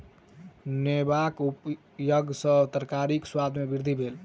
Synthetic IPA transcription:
nebakup | jəɡsə̃t̪əɾkaɾikswad̪ʱmebiɾd̪ʱibʱel

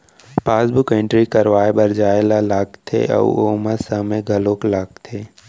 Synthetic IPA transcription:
paːsbʊkẽɳʈɾikɐɾʋaːebɐɾd͡ʒaːelalaːkt̪ʰḛʔə̰uoːməsəmẽɡʱɐloːklaːkt̪ʰeː

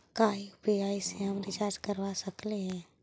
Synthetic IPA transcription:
kaːibiaːiseɦɐmɾɪt͡ʃaːɾd͡ʒkəɾwasəkleɦɛ̃ː

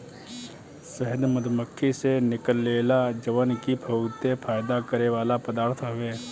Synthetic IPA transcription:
səɦəd̪məd̪məkʰːisenɪkəlːeːlad͡ʒəʋənkibʰʱɐʊt̪epʰaːjd̪akəɾeʋaːlapəd̪aːɾt̪ʰɦɐʋeː

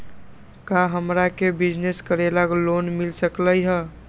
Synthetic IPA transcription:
kaɦəmɾakebid͡ʒneskəɾelaklonmilsəkləjɦə

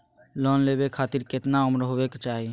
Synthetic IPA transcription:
lɔːnleːbekʰaːt̪iɾkɪt̪naʊmɾɦoʋekt͡ʃaːɦie

